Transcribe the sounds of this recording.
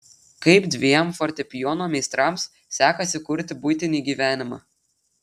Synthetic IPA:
kɐɪpd̪ʲʋʲiɛmfɔɾʲt̪ʲɛpʲɪjɔːnoːmʲɛɪst̪ɾɑms | sʲæːkɐsʲɪkʊɾʲt̪ʲɪbʊjt̪ʲɪnʲiːɡʲiːʋʲæːnʲɪmɑ̰ː

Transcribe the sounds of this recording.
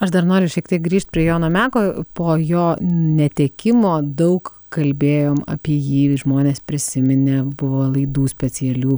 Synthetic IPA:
ɐʃd̪ɐrnoːɾʲʊʃʲɛkt̪ʲiɛk̚ɡɾʲiːʃt̪̚ʲpʲɾʲiɛjoːnoːmʲæːkoːpoːjoːnʲɛt̪ʲeːkʲɪmoːd̪ɐʊk | kɐlʲbʲeːjoːmɐ̰pʲiɛjiːʒmoːnʲeːspʲɾʲɪsʲɪmʲɪnʲebʊʋoːlˠɐɪd̪uːsʲpʲɛt͡s̪ʲɪɛlʲuː

